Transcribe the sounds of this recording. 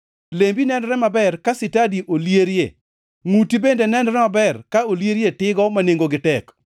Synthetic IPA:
lembinɛnɾɛmabɛrkasɪtadiʔoljeɾjḛ | ŋutibendenɛnɾɛmabɛrkaoljeɾjetɪɡɔmaneŋɡoɡɪtɛk

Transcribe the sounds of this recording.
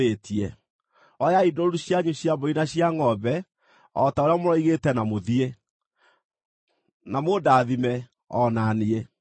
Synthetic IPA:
etiɛ | ɔjaidɔɾuɕjaɲuɕjaboinaɕjaŋɔbɛ | ɔtaoɾeamoɾɔiɣetɛnamoðie | namodaːðimɛ | ɔnaniɛ

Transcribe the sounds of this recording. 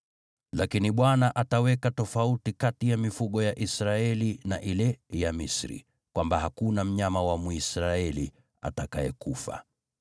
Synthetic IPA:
lakiniɓwanaʔatawɛkatɔfautikatijamifuɠɔjaʔisɾaɛlinaʔilɛjamisɾḭ | kwʔambahakunam̩ɲamawamuisɾaɛli | a̰takaɛkufa̰

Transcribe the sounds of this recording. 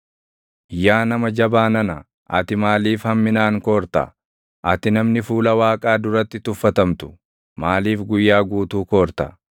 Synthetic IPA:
jːaːnɐmɐd͡ʒɐbaːnɐnɐ | ʔɐt̪ɪmaːliːfhɐmːɪnaːŋko̞ːɾt̪ɐ̰ | ʔɐt̪ɪnɐmnɪfuːlɐwaːkʼaːd̪ʊɾɐt̪ːɪt̪ʊfːɐt̪ɐmt̪ʊ̥ | maːliːfɡʊjːaːɡuːt̪uːkoːɾt̪ɐ̰

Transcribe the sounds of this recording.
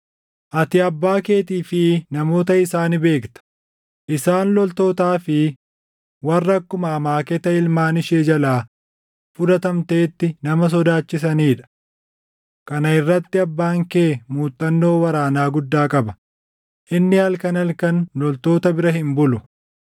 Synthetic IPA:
ʔɐt̪ɪɐbːaːke̞ːt̪iːfɪnɐmo̞ːt̪ɐɪsaːnbe̞ːkt̪ɐ̥ | ʔɪsaːnlɔlt̪o̞ːt̪aːfɪ | wɐrːɐkːʊmɐːmaːkɛt̪ɐɪlmaːnɪʃeːd͡ʒɐlaː | fʊd̪ɐt̪ɐmt̪e̞ːt̪ːɪnɐmɐs̬ɔd̪aːt͡ʃːɪs̬ɐniːᶑɐ̥ | kɐnɐɪrːɐt̪ːɪɐbːaːŋkeːmuːt̪ʼːɐnːo̞ːwɐɾaːnaːɡʊd̪ːaːkʼɐbɐ̥ | ʔɪnːɪhɐlkɐnɐlkɐnlɔlt̪o̞ːt̪ɐbɪɾɐhɪmbʊlʊ

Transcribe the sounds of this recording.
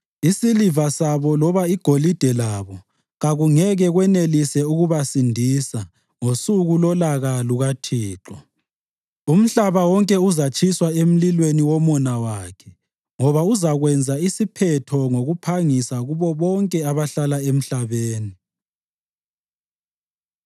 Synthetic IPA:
isilivasaβɔlɔβaiɡ̥ʱolid̥ʱɛlaβɔ | ɣaɣuŋɛɣɛɣwɛnelisɛuɣuβasindʱisa | ŋosuɣulɔlaɣaluɣatʰiːǁɔ | um̩ɬaβawɔŋkʼɛuzat͡ʃʼʰiswaem̩lilweniwɔmɔnawaːkʰɛ | ŋɔβauzaɣwɛnd͡zʱaisipʰɛtʰɔŋoɣupʰaŋisaɣuβɔβɔŋkʼɛaβaɬalaem̩ɬaβeːni

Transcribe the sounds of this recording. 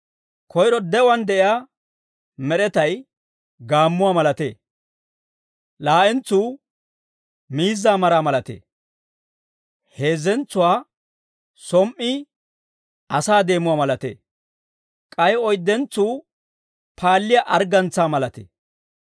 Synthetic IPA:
kʰɔjɾɔd̪ɛʊwɐnd̪ɛʔɪjaː | mɛɾɛt̪ɐj | ɡaːmːʊwaːmɐlɐt̪ḛː | laːʔɛnt͡sːuː | miːzːaːmɐɾaːmɐlɐt̪ḛː | heːzɛnt͡sːʊwaː | sɔmʔːɪ | ɐsaːd̪e̞ːmʊwaːmɐlɐt̪ḛː | kʼɐjɔjd̪ːɛnt͡sːuː | pʰaːlːɪjaʔɐɾɡɐnt͡sːaːmɐlɐt̪ḛː

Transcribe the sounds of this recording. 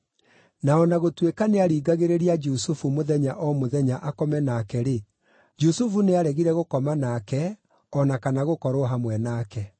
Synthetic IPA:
naɔnaɣotwekaneaɾiːɡaɣeɾeɾiad͡ʒusufumoðɛɲaʔɔmoðɛɲaʔakɔmɛnaːkɛɾe | d͡ʒusufuneaɾɛɣiɾɛɣokɔmanaːkɛ | ɔnakanaɣokɔɾoɦamwɛnaːkɛ

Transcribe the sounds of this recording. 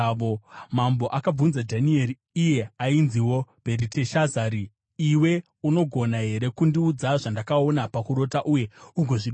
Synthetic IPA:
omambo̞ʔakab͡vunzadʱanie̞ɾiːje̞ainziwo̞b̥ʱe̞ɾite̞ʃazaːɾi | iwe̞ | uno̞ɡʱo̞naɦe̞ɾe̞kundiud͡zaʐandakao̞napakuɾo̞taʔuje̞uɡʱo̞ʐiɗ

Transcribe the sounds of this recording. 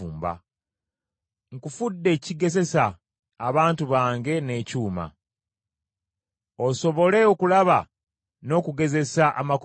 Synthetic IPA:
uːmba̰ | ŋkufudːe̞ːciɡe̞ze̞saː | βaːntuβaːŋɡe̞ne̞ːcuːma̰ | oso̞βo̞le̞okulaβa | no̞ːkuɡe̞ze̞saʔa̰mak

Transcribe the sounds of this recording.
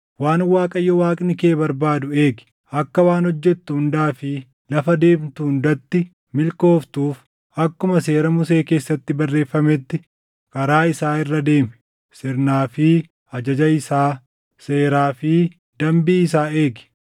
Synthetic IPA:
waːnwaːkʼɐjːɔwaːkʼnɪke̞ːbɐɾbaːd̪ʊe̞ːɡɪ̥ | ɐkːɐwaːnhɔd͡ʒːɛt̪ːʊhʊnd̪aːfɪ | lɐfɐd̪e̞ːmt̪ʊʊnd̪ɐt̪ːɪ | mɪlko̞ːft̪uːf | ɐkːʊmɐse̞ːɾɐmʊse̞ːke̞ːsːɐt̪ːɪbɐrːe̞ːfːɐmɛt̪ːɪ | kɐɾaːɪsaːɪrːɐd̪e̞ːmɛ | sɪɾnaːfɪ | ɐd͡ʒɐd͡ʒɐɪsaː | seːɾaːfɪ | d̪̥ɐmbiːɪs̬aːeːɡɪ̥

